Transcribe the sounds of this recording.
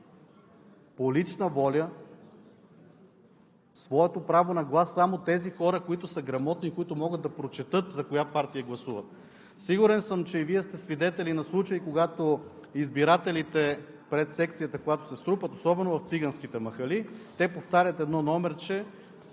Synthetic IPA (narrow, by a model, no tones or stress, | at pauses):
polit͡ʃnəvɔlʲə | svɔɛt̪opɾavonɐɡlˠasːamot̪ɛzixɔɾəkoit̪ʊsəɡɾɐmɔt̪nikoit̪ʊmɔɡəd̪d̪ɐpɾot͡ʃɛt̪ɤt̪zɐkojapaɾt̪ijɐɡlˠɐsuvət̪̚ | siɡʊɾɛnsəmt͡ʃɛiviɛst̪ɛsvid̪ɛt̪ɛlinɐslˠut͡ʃəjkoɡat̪oizbiɾat̪ɛlit̪ɛ | pɾɛt̪sɛkt̪sijət̪əkojat̪o̥sɛst̪ɾupət̪osɔbɛnovɐft̪siɡɐnskit̪ɛmɐxɐlit̪ɛpoft̪aɾʲət̪ɛd̪nɔnɔmɛɾt͡ʃɛ